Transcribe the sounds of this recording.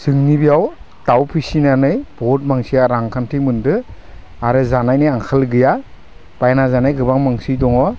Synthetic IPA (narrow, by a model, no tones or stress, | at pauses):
sɯŋnibijaw | tawpʰisinanɯjb̥ɔt̚maŋsijaɾaŋkʰantʰimɯndɯ | aɾɯzanajnɯjaŋkʰalɡɯja | b̥ajnazanɯjɡɯbaŋmaŋsidɔŋɔ